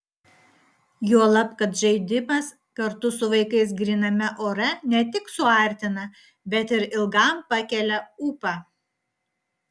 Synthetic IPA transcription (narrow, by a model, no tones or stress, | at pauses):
juɔlˠɐpkɐt̪ʒʲɛɪd̪ʲɪmɐs | kɐɾt̪ʊsʊʋɐɪkɐɪs̬ɡɾʲɪnɐmʲɛʔoːɾɛnʲɛt̪ʲɪksʊɐˑɾʲt̪ʲɪnɐ | bʲɛt̪ɪɾɪlˠɡɑˑmpɑkʲɛlʲɛuːpɑː